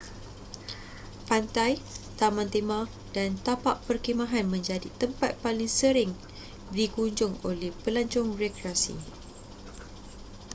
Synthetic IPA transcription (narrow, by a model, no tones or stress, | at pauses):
pant̪ajt̪amãnt̪emã | dant̪apaʔpərkimãɦanmə̃ɲd͡ʒadit̪əmpat̪̚palɪŋsəɾɪŋ | dikuɲd͡ʒʊŋolɛhpəlaɲt͡ʃʊŋrekɾeasḭ